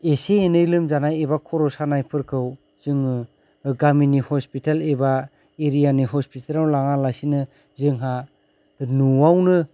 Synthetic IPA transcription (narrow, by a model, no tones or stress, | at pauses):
eseenɯjlɯmzanajeβakʰɔɾɔsanajpʰɯɾkʰɯw | zɯŋɯ | ɡaminihɔspitaleba | eɾijaniɦɔspitʰalawlaŋalasinɯ | zɯŋɦa | nuwawnɯ